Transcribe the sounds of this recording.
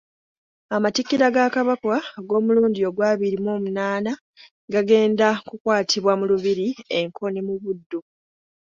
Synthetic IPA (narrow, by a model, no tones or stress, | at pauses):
amatikːiɾaɡakaβakwaɡo̞ːmuluːndio̞ɡwaːβiɾimo̞ːmunaːna | ɡaɡe̞ːndakukwaːtʰiβwamuluβiɾie̞ŋkʰo̞nimuβudːo